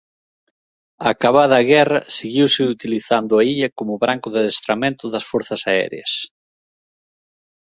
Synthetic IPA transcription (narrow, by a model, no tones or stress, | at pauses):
akaβaðɐaɣɛrɐseɣiwsɪut̪iliθand̪ʊaiʎɐkomʊβɾaŋkʊðɪðest̪ɾamẽnt̪ʊðɐsfoɾθɐsaɛ̰ɾḛɐ̰s